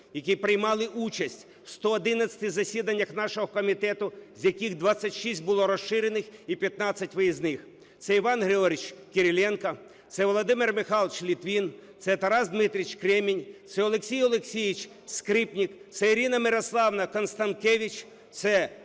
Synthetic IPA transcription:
jɐkʲijpɾɪjmɑlˠɪʔut͡ʃɐsʲtʲ | w̥st̪ɔːd̪ɪnɐt͡sʲɐ̥t̪ɪzɐsʲid̪ɐnʲːɐxnɑʃɔɦɔkɔmʲit̪ɛt̪ʊzʲjɐkʲiɣd̪ʋɑsʲːɐtʲʃisʲt̚ʲbʊlˠɔɾɔʃɪɾenɪxipʲjɐt̪nɑt͡sʲːɐtʲʋɔjiznɪx | t̪sɛiʋɑnɦɾɪɔɾʲɪt͡ʃkeɾʲilʲɛnkɐ | t̪sɛʋɔlˠɔd̪ɪmɪrmɪxɑlˠt͡ʃlʲit̪ʋʲint̪sɛt̪ɐɾɑzd̪mɪt̪ɾʲit͡ʃkɾɛmʲinʲt̪sɛɔlˠeksʲijɔlˠeksʲiʋʲit͡ʃʲ | skɾɪpnʲikt̪sɛiɾʲinɐmɪɾɔslˠɑwnɐkɔnst̪ɐnt̪kɛʋʲit͡ʃʲ | t̪sɛ

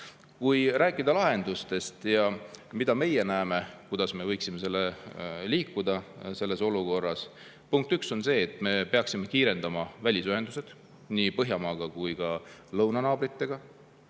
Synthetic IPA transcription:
kujɾæːkːˑid̪ɑlɑɦe̞nd̪̥ust̪e̞st̪jɑmid̪̥ɑme̞jenæːme̞kujd̪ɑsme̞vɤjksimese̞lːeliːkːud̪̥ɑse̞lːe̞so̞luko̞rːɑs | puŋk̚t̪ykso̞nse̞ːt̪ːˑme̞pe̞ɑksime̞kiːɾe̞nd̪ɑmɑvælʲisyɦe̞nd̪̥use̞d̪̥ | niːpɤɦjɑmɑːɡ̥ɑkujɡ̥ɑlɤwnɑnɑːbrit̪ːe̞ɡ̥ɑ

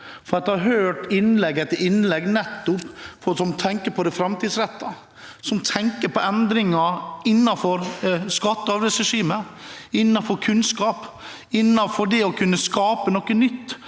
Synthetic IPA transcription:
fɔɾɑt̪̚d̪ɛhɑɾɦøːʈɪnlɛɡɛt̪ːəʔɪnlɛɡnɛt̪ːʊpfɔsɔmt̪ʰɛŋkəɾpʰɔd̪ɛfɾɑmt̪ʰiːd̪sɾɛt̪ːɑ | sɔmt̪ʰɛŋkəɾpɔʔɛnd̪ɾɪŋɑɪnːɑfɔɾskɑt̪ːəɑɾʋɛsɾɛʂiːmə | ɪnːɑnfɔɾkʰʉnskɑːp | ɪnːɑfɔɖɛɔkʰʉnːəskɑːpənɔkːənʏt̪ː

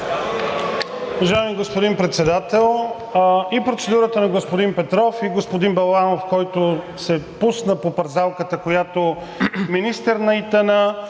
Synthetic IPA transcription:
uvɐʒaəmiɡospod̪impɾɛt̪sɛd̪at̪ɛlˠ | ipɾot̪sɛd̪uɾət̪ənɐɡospod̪inpɛt̪ɾɔfiɡospod̪inbɐlˠanofkɔjt̪o | sɛpusnəpopɐɾzalˠkət̪əkojat̪o | minist̪ɛɾnɐit̪ɛnə

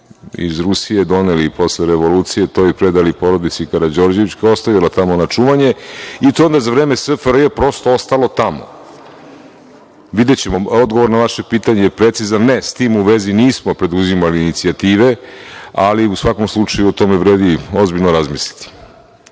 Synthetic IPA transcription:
ḭzɾusije̞d̪o̞nelipo̞sleɾeʋo̞luːt̪sije̞t̪ojipɾe̞d̪alipo̞ɾo̞d̪it̪sikaɾad͡ʑo̞ɾd͡ʑeʋit͡ɕkao̞st̪aʋjalat̪amo̞nat͡ʂuʋaɲe̞it̪oond̪azaʋɾe̞ːmesəfɾjepɾo̞st̪oost̪alˠo̞t̪amo̞̰ | ʋid̪et͡ɕemo̞od̪ɡoʋo̞ɾnaʋaʃepiːt̪aɲejepɾe̞t̪sizannest̪iːmuʋe̞ziniːsmo̞pɾe̞d̪uzimaliːnit̪siat̪iːʋe̞aliusʋako̞mslˠut͡ʂajuot̪o̞meʋɾe̞ːd̪io̞zbiʎnoɾazmisli̥t̪i̥

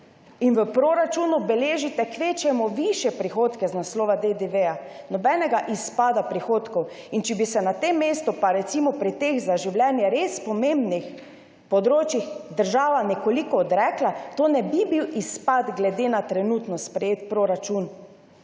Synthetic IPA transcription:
inʋəpɾoːɾat͡ʃunubɛleːʒit̪ɛkʋeːt͡ʃɛmɔʋiʃjɛpɾixoːt̪kɛznaslɔːʋad̪ed̪eʋeja | nɔbɛnɛɡaʔispaːd̪apɾixoːt̪kɔw | int͡ʃɛbisɛnat̪emːeːst̪ɔpaɾɛt̪simɔpɾit̪eɣzaʒiwlʲjɛnjɛɾeːspɔmembnix | pɔd̪ɾoːt͡ʃjixd̪əɾʒaːʋanɛkolikɔːd̪ɾɛklat̪oːnɛbibiwispad̪ɡlɛd̪enat̪ɾɛnuːt̪nɔspɾɛjeːt̪̚pɾoɾat͡ʃun

